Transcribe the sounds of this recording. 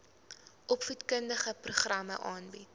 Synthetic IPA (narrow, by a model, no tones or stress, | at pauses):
ʔɔpfutkəndəχəpruχrɐmə̰ʔɑːnbit